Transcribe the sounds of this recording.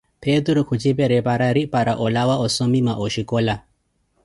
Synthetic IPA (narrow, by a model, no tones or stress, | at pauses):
pɛd̪uɾukʰut͡ʃipɛɾɛpaɾaɾipaɾaʔɔlawaɔsɔmimaʔɔʃikɔla